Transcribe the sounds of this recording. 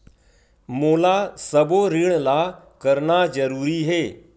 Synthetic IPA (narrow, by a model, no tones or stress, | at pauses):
moːlasəboɾiɳla | kəɾnazəɾuːɾiɦeː